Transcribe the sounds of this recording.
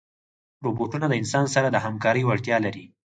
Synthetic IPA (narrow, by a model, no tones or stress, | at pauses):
ɾoboʈunaləɪnsɑnsaɾad̪əhamkɑɾəjwaɽt̪jɑlaɾi